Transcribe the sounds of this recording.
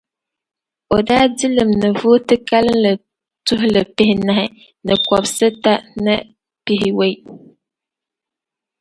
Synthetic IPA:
o˨daː˦di˦lɨ˨mnɨ˨vʊː˦tɨ˦ka˦lɨ˦nlɨ˨ | tʊ˦ɦʊ˦lɨ˨pɪ˦hɪ˦na˨hɪ˨ | nɨ˨kɔ˨bsɨ˦ta˦nɨ˦ | pi˦ɦɪ˨we˦

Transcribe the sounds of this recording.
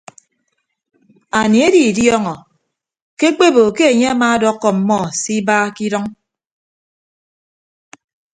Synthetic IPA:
a˨ni˨e˦di˨djɔ˦ŋɔ˨ | ke˦k͡pe˦bo˨ke˦e˨ɲe˦a˦maː˦dɔ˦kːɔ˨m̩˨mɔ˦˨si˦baː˦ki˦dɔ˦ŋ

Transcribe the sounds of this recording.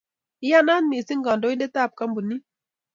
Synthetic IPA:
ɪ˦ja˦na˦nmi˨si˦ŋɡɔ˨ndo˦i˦nde˦ta˦˨p̚ka˦mbu˨ni˦

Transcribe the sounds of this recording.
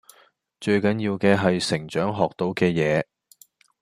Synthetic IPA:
t͡ʃɵ˧ɥkɐ˨˥njiː˧wkɛː˧ɦɐ˨jsɪ˨˩ŋt͡ʃœː˨˥ŋɦɔː˨k̚t̪o˨˧˥wkɛː˧jɛː˨˧

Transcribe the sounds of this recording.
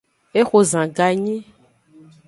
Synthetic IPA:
e˦xo˨zã˨ɡa˨ɲĩ˦

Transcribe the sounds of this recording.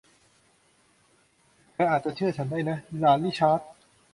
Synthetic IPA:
mɛː˦˥ʔaː˨˩t̪̚t͡ɕa˨˩t͡ɕʰɯ˥˩ɐt͡ɕʰa˦˥ndaː˥˩jna˦˥˧laː˧˩t̪liː˥˩t͡ɕʰaː˦˥t̪̚

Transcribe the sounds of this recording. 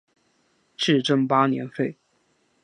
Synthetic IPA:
ʈ͡ʂɻ̩˥˩ʈ͡ʂə˥ŋpa˥njɛ̰˧˥nfe˥˩ɪ

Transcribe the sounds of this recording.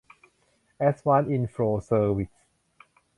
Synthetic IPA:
ʔɛswã˦ni˧nfɹoː˧səː˧wi˨s

